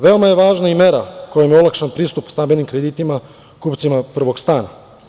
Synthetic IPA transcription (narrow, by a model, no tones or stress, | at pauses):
ʋe̞o̞maje̞ʋaːʒnaimeɾako̞jemjeolˠakʃanpɾiːst̪upst̪abilnimkɾed̪iːt̪ima | kuːpt̪simapr̩ʋo̞ɡst̪aːna̰